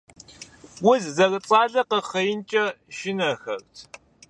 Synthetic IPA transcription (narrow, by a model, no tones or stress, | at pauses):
wʊzzɐrɨt͡sʼaːɮɐqəχɐjɪnt͡ʃʼɐʃɪnɐxɐ̰rtʰ